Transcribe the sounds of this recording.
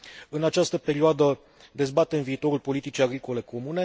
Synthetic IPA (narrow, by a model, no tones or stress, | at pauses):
ɨnat͡ʃast̪əpe̞ɾioad̪ə | d̪e̞zbat̪e̞ɨnviːt̪o̞ɾulpo̞lit̪it͡ʃiaɡɾiko̞le̞ko̞mune̞